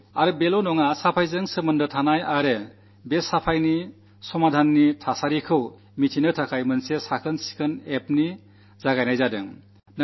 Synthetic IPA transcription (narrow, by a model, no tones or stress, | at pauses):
aɾɯbelonɔŋasapʰajzɯŋsɯmɯndɯtʰanajaɾe | besapʰajni | sɔmadʱanːitʰasaɾikʰɯw | mitʰinɯtʰakʰajmɯnsesakʰɯnsi̥kʰɯnep̚ni | zaɡajnajzadɯ̰ŋ | n